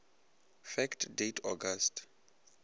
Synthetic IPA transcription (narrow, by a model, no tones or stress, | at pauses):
fɛktʰdetʰɔɡastʰ